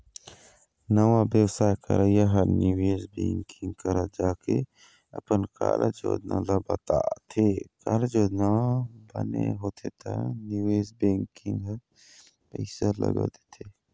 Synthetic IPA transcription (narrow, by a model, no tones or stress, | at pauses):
nəwabjəwsaːjkə̰ɾəjaɦɐɾniweːzbḛ̃ːŋkʰɪ̃ŋɡkəɾad͡ʒaːke | ɐpənka̰ːlʔə̰d͡ʒo̰ːd̪nãlabɐt̪at̪ʰekaːlad͡ʒoːd̪nabɐneɦoːt̪ʰet̪ʰa̰niweːzbẽːŋkɪ̃ŋɡɦə | pɛɪsalə̰ɡə̰t̪e̥t̪ʰe